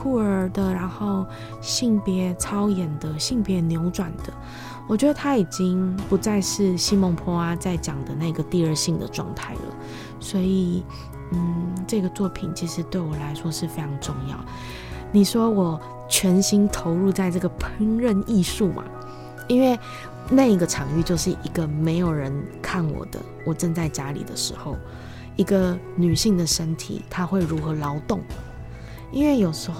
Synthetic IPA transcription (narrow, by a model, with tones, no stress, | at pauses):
ku˥˩ə˞˧˥d̪ə˧ɻa˧˥nxo˥˩˧ʊ | ɕi˥˩ŋpjɛ˧˥t͡sʰɑ˥ʊjɛ˨˩nd̪ə˦ɕi˥˩ŋpjɛ˧˥njo˧˥ʊʈ͡ʂwa˨˩nd̪̥ə˦ | wɔ˨˩t͡ɕɥɛ˧˥d̪ə˧t̪ʰa˥i˨˩t͡ɕi˥ŋpu˧˥t͡sa˥˧ɪʂɻ̩˥˩ɕi˥mɔ˧˥ŋpʰɔ˥a˥t͡sa˥˩ɪt͡ɕjɑ˨˩ŋd̪ə˦na˥˩i˧ɡə˨t̪i˥˧ə˞˥˧ɕi˥˩ŋd̪ə̰˩ʈ͡ʂwɑ̰˥˧ŋt̪ʰa˥˩ɪlə̰˩ | swɔ˧˥i˨˩ | n̩˥˩ʈ͡ʂɤ˥˩ɡə˩t͡swɔ˥˩pʰi˨˩nt͡ɕʰi˧˥ʂɻ̩˧˥t̪we˥˩ɪwɔ˨˩la˧˥ɪʂwɔ˥ʂɻ̩˥˩fe˥ɪʈ͡ʂʰɑ˧˥ŋʈ͡ʂʊ˥˧ŋjɑ̰˥˩ʊ | ni˨˩ʂwɔ˥wɔ˨˩ | t͡ɕʰɥɛ˧˥nɕi˥ŋt̪ʰo˧˥ʊɻu˥˧t͡sa˥˧ɪʈ͡ʂɤ˥˩ɡə˩pʰi˧˥ŋɻə˥˧ni˥˧ʂu˥˩mʔa̰˩ | i˥nwe˥˩ɪ | na˥˩i˧˥ɡə˨ʈ͡ʂʰɑ˨˩ŋy˥˧t͡ɕjo˥˧ʊʂɻ̩˥˩ʔi˧˥ɡə˧me˧˥ɪjo˨˩ʊɻə˧˦nkʰa˥˩nwɔ̰˨˩d̪̥ə̰˦ | wɔ˨˩ʈ͡ʂə˥˧nt͡sa˥˩ɪt͡ɕja˥lḭ˨˩d̪ə̰˦ʂɻ̩˧˥xo˥˩ʊ | i˧˥ɡə˧ | ny˨˩ɕi˥˩ŋd̪ə˩ʂə˦˥nt̪ʰḭ˨˩t̪ʰa˥xwe˥˩ɪɻu˧˥xɤ˧˥lɑ˧˥ʊt̪ʊ˥˩ŋ | i˥nwe˥˩ɪjo˨˩ʊʂɻ̩˧˥x